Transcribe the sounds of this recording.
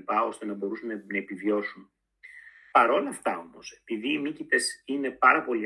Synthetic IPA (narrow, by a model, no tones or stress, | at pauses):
pɐo̞st̪e̞nɐbo̞ɾusunnɐe̞pivjo̞sun | pɐɾo̞lɐft̪ɐo̞mo̞se̞̥piðiːmicit̪e̞sine̞pɐɾɐpo̞li